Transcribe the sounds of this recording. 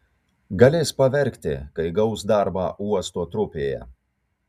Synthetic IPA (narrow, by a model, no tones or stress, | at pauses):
ɡɐlʲeːspɐʋʲɛɾʲkʲt̪ʲɪ̰kɐɪɡɐʊsd̪ɑɾbɑːʔuɔst̪oːt̪ɾʊpʲeːjɛ̰